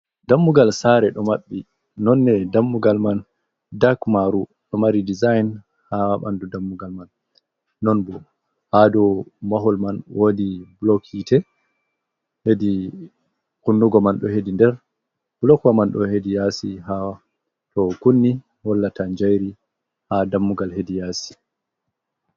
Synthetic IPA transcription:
damːuɡalsaɾɛɗɔmaɓːi | nɔnːɛdamːuɡalman | dakmaɾuɗɔmaɾidizajn | hawaɓa̰ndudamːuɡalmanː | ɔnbɔ | hadɔmaɦɔlmanwodiblɔkʰitɛ | hedi | kunːuɡɔmanɗɔhedindɛɾ | b̥lɔkwamanɗɔhedijasiɦaa | tʰɔkunːi | hɔlːatʰaɲd͡ʒajɾi | hadamːuɡalɦedijaːsi̥

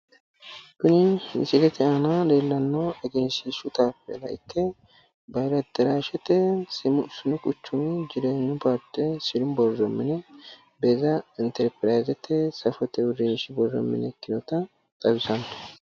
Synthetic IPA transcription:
kʊnɪnsɪɡɛt̪ʰɛanɐleːlːɐnːɐɛɡeːnsɪsʊt̪aːpːɛ̰lɐʔɪ̰kːɛ | bɐjɾɐt̪ːɛɾaːʃɛt̪ːɛsʊsʊnɪkʼʊt͡ʃːʊmɪd͡ʒɪɾeːnːʊpaɾt̪ːɛsɪɾʊnbɔrːɔmːɪnɛ | beɛzɐɪnt̪ɛɾpɾajzɛt̪ːɛsɐfɔt̪ːɛʊɾːinʃɪbɔrːɔ̰mːɪ̰nɛkːɪnɔt̪ɐ | t̪ʼɐbɪsɐnt̪

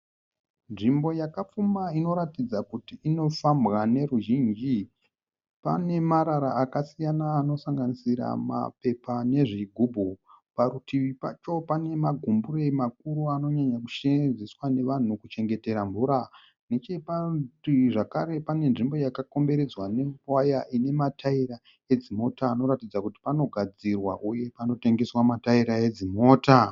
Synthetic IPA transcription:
nʐimbo̞jakap͡fumbaino̞ɾatid͡zakutiːno̞fambɣane̞ɾuʒind͡ʒi | pa̰ne̞maɾaɾaakasijanaːno̞saŋɡanisiɾa̰ma̰pe̞pane̞ʐiɡʱubʱupaɾutiʋipa̰t͡ʃo̞pane̞maɡʱumbure̞imak̚uɾuano̞ɲaɲaku̥ʃenziswane̞ʋan̤ukut͡ʃe̞ŋɡe̞te̞ɾambuɾa | ne̞t͡ʃepatiʐakaɾe̞pane̞nʐimbo̞jakako̞mbe̞ɾe̞d͡zwanewajaʔine̞matʰaiɾa | e̞d͡zimo̞taːno̞ɾatid͡zakuti̥pano̞ɡʱad͡zirwa̰ʔuje̞pano̞te̞ŋɡeswamataiɾae̞d͡zimo̞ːta

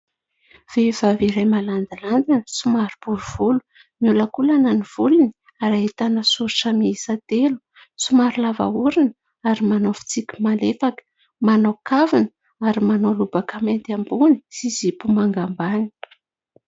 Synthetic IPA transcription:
v̥ev̥aviɾajmaland̪iland̪insumaɾubuɾuv̥ulu̥ | miuləkulananiv̥uluni | aɾaet̪anəsuɾiʈ͡ʂəmiisat̪elu̥ | sumaɾulava̰uɾinə | aɾimanofi̥t͡sikʲi̥malefakə̥ | manokavinə | aɾimanolubakament̪ambuni̥sizipumaŋɡambani̥

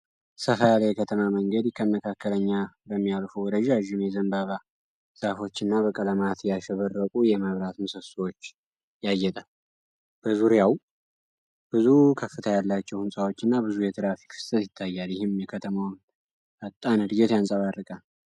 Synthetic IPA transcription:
səfəalajɛkʰət̪ʰəmaməŋɡəd̪kʰəməkʰakːələɲːabəmːijalfuwɔd̪əʒaʒːɪmjɛzəmbaβa | sʼafo̞t͡ʃːɨnːaβəkʼələmat̪jaʃɛβərːəkʼujɛməβɾat̪mɨsəswot͡ʃː | jajːɛt̪ʼal | b̥əzuɾjaw | b̥ɨzukʰəfːɨt̪ʰajalːat͡ʃːɛwhɨnsʼawo̞t͡ʃːɨnːabɨzujɛt̪ʰɨɾafi̥kfɨ̥st̪ʼət̪jɪt̪ʰːajːaljɪhɪmjɛkʰət̪ʰəmawn | ʔət̪ʼːanɨd̪ɨɡɛt̪jansʼaβarːɨkʼal

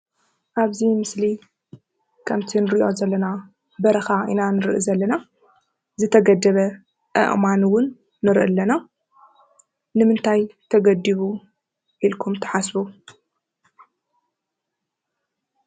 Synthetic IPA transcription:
ʔaβzimɨsli | kʰɐmt̪ʰinɨɾiiʔo̞zɐlːɐna | bɐɾɐxaʔḭnanɨɾʔɨzɐlːɐna | zɨt̪ʰɐɡɐd̪ɐβɐ | ʔɨ̰ʔmanwʊnː | ɨɾʔɨ̰lːɐna | nɨmɨnt̪ʰajt̪ʰɐɡɐd̪iβu | ʔilkʰumt̪ʰɐ̥ħasbu

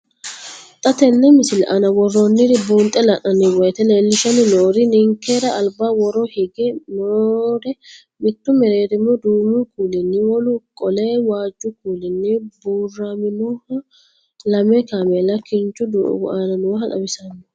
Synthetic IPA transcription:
t̪ʼɐt̪ɛnːɛmɪsɪlʔɐnɐwɔrːonːɪɾɪbuːnt̪ʼɛlɐʔɐnːɪwɔjt̪ɛleːlːɪʃɐnɪnoːɾɪnɪŋkeɾɐɐlbaːwɔɾɔhɪɡɛnoːɾɛ | mɪt̪ːʊmɛɾeːɾɪmːɔd̪uːmukuːlɪnːɪwɔlʊkʼɔleːwaːd͡ʒːʊkuːlɪnːɪbuːrːaːmɪnɔhɐ | lɐmɛkamɛlɐkɪnt͡ʃːʊd̪ṵɡaːnɐnʊwɦɐᶑɐ̰bɪsɐnːɪ

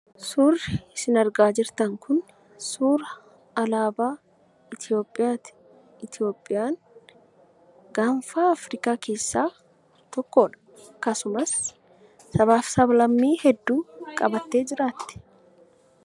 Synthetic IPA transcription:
suːrːɪɪsɪnɐɾɡaːd͡ʒɪɾt̪ɐŋkʊn | suːɾɐː | laːbaː | ɪt̪ɪjo̞ːpʼːɪjaːt̪ɪ̥ | ɪt̪ɪjo̞ːpʼːɪjaːŋ | ɡaːɱfaːɐfɾɪkaːkʰe̞ːsːaː | t̪ɔkːoːᶑɐ̥ | kɐsʊmɐsː | ɐβaːfsɐblɐmːiːhɛd̪ːuːkʼɐbɐt̪ːe̞ːd͡ʒɪɾaːt̪ːɪ̥

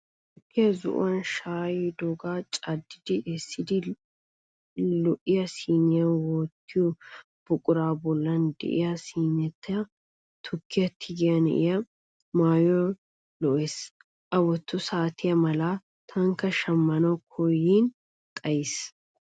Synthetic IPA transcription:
t̪ʊkːɪjɐzʊ̰ʔʊ̰wɐnʃaːjd̪ɔɡaːt͡ʃʼɐd̪ːɪd̪ɪʔɛsːɪd̪ɪ | lɔʔːɪjɐsiːnɪjɐwɔːt̪ːɪjɔ | b̥ʊkʼʊɾaːbɔlːɐnd̪ɛ̰ʔɪ̰jɐsiːnɛt̪ːɐjɐ | t̪ʰʊkːɪjɐt̪ʰːɪɡɪjɐnɛ̰ʔɪ̰jɐ | maːjɔ | lɔʔes | ʔɐwɔt̪ːʊsaːt̪ʰɪjɐmɐla | t̪ʰɐŋkːɐʃɐmːɐnɐwkʰɔjiːn | kʼɐjɪs

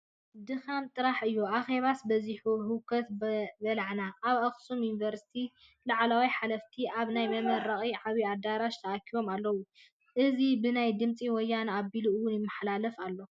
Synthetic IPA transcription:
d̪ɨxamt̪ʼɨɾaħɨjːuaxe̞βasbɐziħuɦɨkʰɐt̪bɐlaʕnaʔːβaxsumjunivɐɾsi̥t̪ʰi | laʕlawijħalɐft̪ʰiʔaβnajmɐmɐɾɐχʼiʕaβiad̪aɾaʃt̪ʰɐʔakʰiβo̞malːɐwu | ʔɨzibɨnajd̪ɨmt͡sʼiwɔjːanabiluɨwʊnjɪmːɐħlalɐfalːo̞

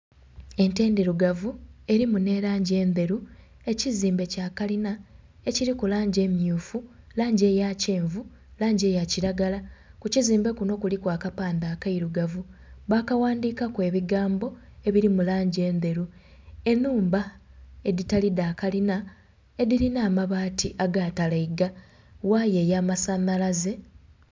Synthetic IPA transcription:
e̞nte̞ːndiɾuɡavue̞ɾimune̞ɾaːɲɟe̞ːnde̞ɾu | e̞ciziːmbe̞caːkalina | e̞ciɾikulaːɲɟe̞mjuːfu | laːɲɟe̞jace̞ːɱvu | laːɲɟe̞ːjaciɾaɡalakuciziːmbe̞kuno̞kulikwaːkapaːndaːkaiɾuɡavuβakawaːndiːkakwe̞βiɡaːmbo̞e̞βiɾimulaːɲɟe̞ːnd̪e̞ɾu | e̞nːuːmbae̞ditalidaːkalina | e̞dilinaːmaβaːtiʔaɡaːtalaiɡa | waje̞ːjaːmasanalaze̞

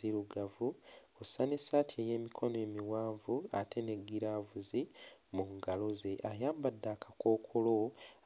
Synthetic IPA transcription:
iɾuɡavu | osanesatʰieje̞ːmikʰo̞noe̞ːmiwaːɱvua̰tʰe̞ne̞ɡiɾaːvuzimuŋɡalo̞ze̞ʔajaːmbadːaːkʰako̞ːkʰolo̞

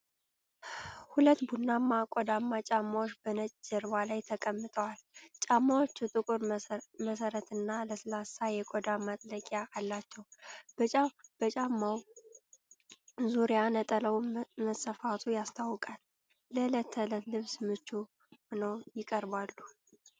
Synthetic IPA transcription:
hulət̪ːbunːamːakʷʼɔd̪amːat͡ʃʼamːawot͡ʃːbənət͡ʃʼd͡ʒəɾbalajt̪ʰəkʼəmːɨt̪ʼəwalt͡ʃʼamːawot͡ʃːut̪ʼɨkʼuɾməsəɾət̪ɨnːaləsɨlasajɛkʼod̪amat̪ʼləkʼjaʔːlːat͡ʃːɛwbəb̥ət͡ʃʼamːaw | zuɾjanət̪ʼələwməsəfat̪ʰujast̪ʰawːkʼalː | ələt̪ʰːələt̪lɨβsmɨt͡ʃːu | mnəwjɪkʼəɾbalːu

